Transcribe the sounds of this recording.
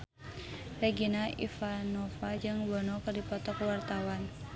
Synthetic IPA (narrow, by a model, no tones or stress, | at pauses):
rɛɡinaʔḭfanɔfad͡ʒɨŋbɔnɔkərdipɔt̪ɔkwart̪awan